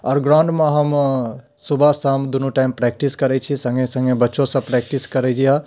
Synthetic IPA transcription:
ɔːɾɡɾawɳɖmãɦɐm | subʱasamd̪unuʈajmpɾɛːk̚ʈiskɐɾɛt͡ʃʰisɐ̃ŋɡẽsɐ̃ŋɡẽbɐtːʃõsɐ̃pɾɛːk̚ʈiskɐɾed͡ʒia

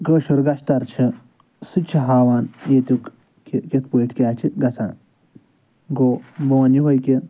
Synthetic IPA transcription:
ɡəːʃuɾɡɐʃt̪ɐɾt͡ʃʰi | sɨt͡ʃʰiɦaːʋaːnjeːt̪ʲuk | kʲet̪̚poiʈʰkʲaːt͡ʃʰiɡɐsʰaːn | ɡoːboːnjiʋɐjkʲi

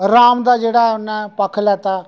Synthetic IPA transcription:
ɾaːmd̪aːd͡ʒeːɽaːʊnãːpəkʰlɛːt̪aː

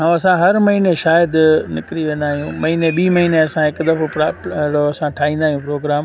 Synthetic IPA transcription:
ɦãɐsãɦɐɾmɐɦineʃaːjəd̪nɪkɾiʋẽːn̆d̪aːɦijũmɐɦineɓiːmɐɦiːneɐsãɦɪkd̪ɐfpɾaɽoɐsãʈʰaːɦĩːnd̪aːɦijũpɾoːɡɾaːm

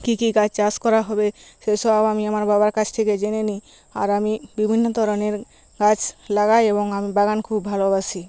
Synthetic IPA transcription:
kikiɡad͡ʑt͡ɕaskɔɾaɦɔbeʃeʃɔbabamiamaɾbabaɾkat͡ɕʰt̪ʰeked͡ʑeneni | a̰ɾamibibʱinːod̪ʱɔɾoneɾ | kat͡ɕlaɡajeboŋamibaɡankʰubːʱalobaʃʰi

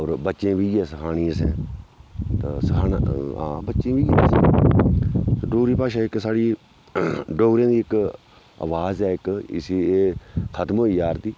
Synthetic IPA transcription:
ɔːɾbətːʃẽːʋiːɡɛːsəkʰaːñĩːəsɛ̃ː | t̪a̰səkʰaːnã̰ːbətːʃẽːʋiːɡẽːsɛ̰̃ː | ɖoːɾiːpaːʃãːɪksaːɽiː | ɖoːɾẽːd̪iːɪk | ə̰ʋaːzɛːɪkɪ̰siːeːkʰət̪moːiːaːɾd̪iː

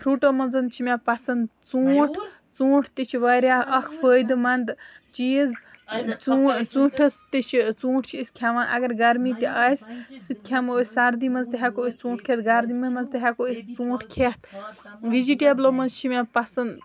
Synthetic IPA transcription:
pʰɾuːʈoːmɐnzɐnt͡ʃʰimapɐsɐnd̪t͡suːʈʰ | t͡sũːʈʰt̪it͡ʃʰiʋɐɾʲaːʔɐkʰfʰəːjd̪mɐnd̪t͡ʃiːzt͡sut͡sũːʈʰɐst̪it͡ʃʰit͡sũːʈʰt͡ʃʰiisʲkʲʰaʋanʔɐ̰ɡɐɾɡɐɾmiːt̪ʲiʔaːjssɨt̪̚ʲkʲʰamosʲsɐɾd̪imɐnzt̪iɦaːkoist͡sũːʈʰkʰeːt̪ɡɐɾd̪imɐmɐnzt̪iɦɛkoist͡sũːʈʰkʰet̪ʰʋid͡ʒiʈʲebloːmɐnzt͡ʃʰimʲapɐsɐnd̪

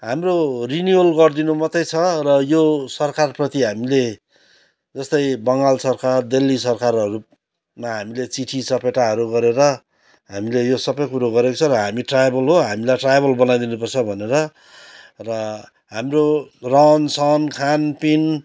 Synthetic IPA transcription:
ɦamroriniolɡʌrd̪inumʌt̪ʌjt͡sʰʌrʌjosʌrkarprʌt̪iɦamile | d͡zʌst̪ʌjbʌŋɡalsʌrkard̪elːisʌrkarʌɾu | maɦamilet͡siʈʰisʌpeʈaɦʌɾuɡʌɾeɾʌ | ɦamilejosʌbʌjkuɾoɡʌɾekot͡sʰʌɾʌɦamiʈrajbʌlɦoɦamilajʈrajbʌlbʌnajd̪inupʌrt͡sʰʌbʱʌneɾʌ | rʌ | ɦamrorʌnsʌnkʰanpin

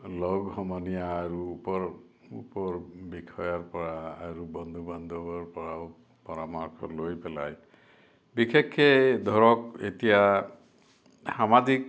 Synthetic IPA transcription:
lɔɡɦɔmɔnijaːɹuːpɔɹ | upɔɹbikʰɔjaɹpɔɹaːɹubɔnd̪ʱuband̪ʱɔbaɹpɔɹaw | pɔɾamaɾkʰɔ̰lojpɛla̰j | bikʰekʰːed̪ʱɔɹɔket̪ija | samazik̚

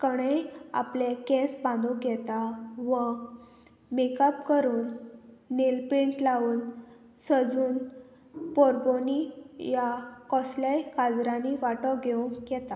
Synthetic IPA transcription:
kəɽ̃ea̰plekɛ̃sbãnd̪uɡʱɛt̪aʋə | mekəpkəɾuːnː | elpeɳʈlauːn | səd͡zuːn | pɔɾbonijakɔslajkad͡zɾãniʋaʈɔɡʱeũŋɡɛt̪a

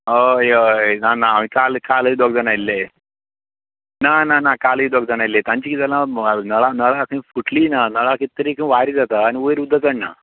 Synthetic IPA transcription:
əjənanaːmĩkalkaləiːd̪ɔɡ̚d͡zənailːe | nananakaləid̪ɔɡ̚d͡zənailːet̪ãɲt͡ɕiːkit̪ɛlanəɭanəɭakĩfuʈliːnanəɭakit̪ːəɾiːkə̃ʋaɾid͡zat̪aːñiuɾud̪ʱːəkəɳna̰

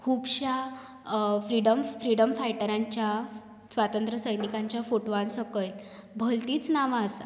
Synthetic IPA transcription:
kʰuːbɕa | fɾiɽəmfɾiɽəmfajʈəɾaɲt͡ɕja | sʋat̪ənt̪ɾəsəjnikãɲt͡ɕjafoʈʋansəkəjl | bʱəlt̪iːt͡snaʋaəsa

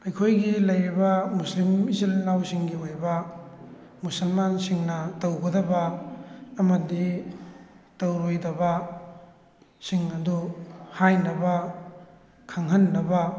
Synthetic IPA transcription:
ɐjkʰojɡilɐjɾibɐmuslimizilnawsiŋɡiojbɐ | musɐlmansiŋnɐtɐwɡɐdɐbɐː | mɐdi | tɐwɾojdɐbɐ | siŋnɐduhajnɐbɐ | kʰaŋɦɐnːɐbɐ

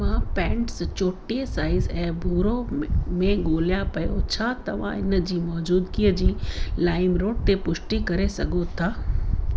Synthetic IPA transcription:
mãːpɛ̃ːɳʈst͡ɕoːʈiesaːɪzɛ̃ːbʱuːɾomẽɠoːlijapɐjot͡ɕʰaːt̪ɐʋ̤ã̰ɪnəd͡ʑiːmɔːd͡ʑuːd̪kiəd͡ʑiːlaːɪmɾoːɖ̚t̪epʊʃʈikɐɾesɐɡʱot̪ʰaː

